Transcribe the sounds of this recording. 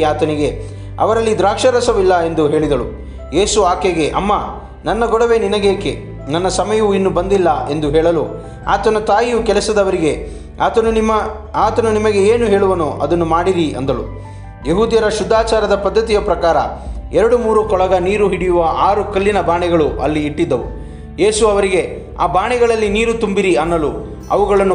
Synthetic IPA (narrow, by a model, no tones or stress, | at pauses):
aːt̪ɐniɡe̞ | ɐ̰ʋɐɾɐlːid̪ɾaːkʂɐɾɐsɐʋilːɐe̞nd̪uɦe̞ːɭid̪ɐɭṵ | je̞ːsuaːkeɡe̞ʔɐ̰mːaː | nɐnːɐɡɔɽɐʋe̞ninɐɡeːke | nɐnːɐsɐmɐjɐʋuinːubɐnd̪ilːɐʔe̞nd̪uɦɛːɭɐlu | a̰ːt̪ɐnɐt̪aːjijukɛlɐsɐd̪ɐʋɐɾiɡe̞ | aːt̪ɐnumɐ | aːt̪ɐnunimɐɡe̞eːnuɦe̞ːɭuʋɐnoːʔɐd̪ɐnːumaːɽiɾiʔɐ̰nd̪ɐlṵ | jeɦuːd̪jɐɾɐʃud̪ʱːaːt͡ʃaːɾɐd̪ɐpɐd̪ːɐt̪ijɐpɾɐkaːɾɐ̰ɛɾɐɽumuːɾukɔɭɐɡɐniːɾuɦiɽijuʋɐʔaːɾukɐlːinɐbaːɳɛɡɐɭuʔɐlːiːʈːid̪ːɐʋṵ | je̞ːsuɐʋɐɾiɡe̞ | a̰ːbaːɳɛɣɐɭɐlːiniːɾut̪umbiɾiɐnːɐlu | ɐ̰ʋuɡɐɭɐnː